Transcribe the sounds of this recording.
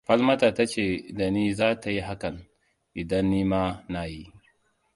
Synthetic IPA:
ɸɐ˦lmɐ˦taː˨ta˦t͡ʃeː˨da˨niː˦zaː˦ta˨ji˦ɦa˦kɐ˨n | ʔɪ˨dɐ˦nːiː˦maː˦na˨ji˦ʔ

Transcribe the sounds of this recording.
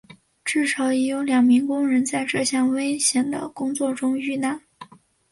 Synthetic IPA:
ʈ͡ʂɻ̩˥˩ʂɑ˨˧˥ʊɛ˧˥jo˧˥ʊljɑ˨˩ŋmi˧˥ŋkʊ˥ŋɻə˧˥nt͡sa˥˧ɪʈ͡ʂɤ˥˧ɕjɑ˥˩ŋwe˥ɪɕjɛ˧˥nd̪ə̰˧kʊ˥ŋt͡swɔ˥˩ʈ͡ʂʊ˥ŋy˥˩na˥˩n

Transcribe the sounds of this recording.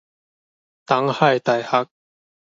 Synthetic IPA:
t̪ɐ˨˥ŋhɐ˨jt̪ɐ˨˩jhɐ˨˥k̚

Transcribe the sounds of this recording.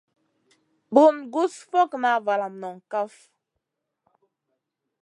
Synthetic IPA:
bu˨nɡu˦sfɔ˦kna˨va˨la˨mnɔ˨ŋ˨ka˦f

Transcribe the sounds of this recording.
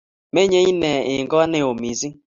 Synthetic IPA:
me˦ɲe˦ɲi˦ne˨ɪ˨ɡɔ˦ne˦o˨mi˨zi˦

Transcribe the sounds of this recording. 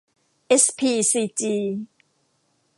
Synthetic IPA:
ʔɛ˦˥spʰi˧si˧t͡ɕi˧

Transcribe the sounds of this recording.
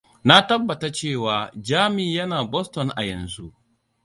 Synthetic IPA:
na˦tɐ˦bːɐ˨ta˦t͡ʃeː˦˨waː˨d͡ʒaː˦mɪ˨jɐ˦naː˨bɔ˦stɔ˨nʔa̰˨jɛ˨nzu˦ʔ

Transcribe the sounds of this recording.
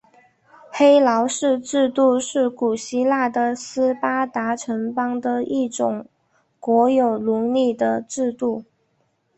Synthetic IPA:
xe˥ɪlɑ˧˥ʊʂɻ̩˥˧ʈ͡ʂɻ̩˥˧t̪u˥˧ʂɻ̩˥˩ku˨˩ɕi˥la˥˩d̪ə˩sɹ̩˥pa˥t̪a˧˥ʈ͡ʂʰə˧˥ŋpɑ˥ŋd̪ə˧i˥˩ʈ͡ʂʊ˨˩ŋ | kwɔ˧˥jo˨˩ʊlu˧˥li˥˩d̪ə˩ʈ͡ʂɻ̩˥˧t̪u˥˩

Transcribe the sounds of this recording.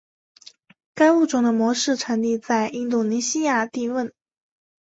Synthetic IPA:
ka˥ɪu˥˩ʈ͡ʂʊ˥˩ŋd̪ə˧mwɔ˧˥ʂɻ̩˥˩ʈ͡ʂʰa˧˥nt̪i˥˧t͡sa˥˩ɪʔi˥nt̪̬u˥˩ni˧˥ɕi˥ja˥˧t̪i˥˧wə˥˩n

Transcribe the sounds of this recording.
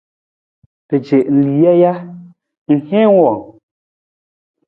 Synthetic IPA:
be˨d͡ʒe˨ʔn̩˨li˨˦ja˦ja˦ | ŋ̩˨hẽ˦wɔ˨ŋ

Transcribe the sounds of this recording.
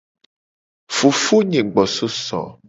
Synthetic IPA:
fu˨fu˦ɲẽ˨ɡ͡bɔ˨so˦sɔ̰˨

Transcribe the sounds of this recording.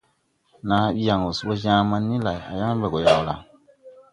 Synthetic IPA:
na˨˦ja˨ŋo˨su˦bo˦zãː˦ma˧nːi˦la˨ja̰˨ja˦ŋ˦bɛ˨ɡo˨ja˨wla̰˨ŋ

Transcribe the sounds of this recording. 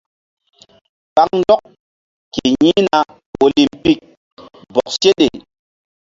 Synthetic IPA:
ɓa˦ŋndɔ˦k | ke˨ɲi˦na˨ | wo˨li˨mpi˦k̚ | bɔ˨k̚se˦ɗḛ˨

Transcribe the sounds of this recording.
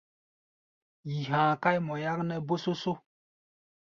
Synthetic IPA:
ji˨ɦã˨ka˦jmɔ˨ja˦knɛ˦bo˦so˦so˦

